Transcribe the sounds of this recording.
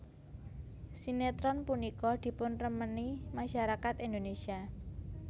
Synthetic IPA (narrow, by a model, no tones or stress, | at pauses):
sinet̪ɾɔnpunikɔd̪̥i̤pʊnrəmənimaʃaɾakat̪ind̪onesia